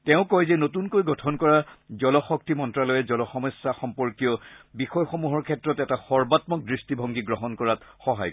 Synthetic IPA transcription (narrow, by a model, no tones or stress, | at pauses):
tɛʊ̃kɔjzɛnotunkojɡɔtʰɔnkɔɹazɔlɔxɔk̚timɔntɹalɔjɛzɔlɔxɔmɔsːaxɔmpɔɹkijɔbixɔjxomuɦɔɹkʰɛtɹɔtɛtaxɔɹbatmɔk̚dɹistibʱɔ̃ŋɡiɡɹɔɦɔnkɔɹatxɔɦa̰j